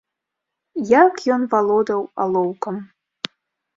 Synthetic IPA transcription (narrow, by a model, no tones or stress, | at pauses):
jakjɔnvalˠɔd̪ɐwalˠowkɐm